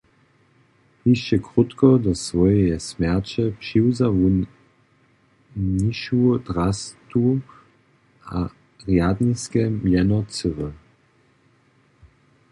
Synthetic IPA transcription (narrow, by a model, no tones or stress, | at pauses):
hiʃt͡ʃɛkʁut̪kɔd̪ɔsvɔjɛjɛsmɛʁt͡ɕɛpʂiwzavu | niʃud̪ʁast̪u | a | ʁjad̪niskɛmjɛnɔt͡səʁə